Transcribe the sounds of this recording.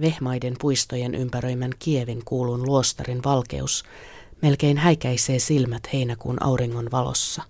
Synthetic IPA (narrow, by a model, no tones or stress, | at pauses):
ʋe̞hmɑjde̞mpujst̪o̞je̞nʔympæɾø̞jmænk̟ie̞ʋiŋkuːlunluo̞st̪ɑrinʋɑlke̞̰us | me̞lke̞jnɦæjk̟æjse̞ːsilmæt̪he̞jnækṵːnʔɑ̰wɾiŋːo̞nʋɑlo̰sːɑ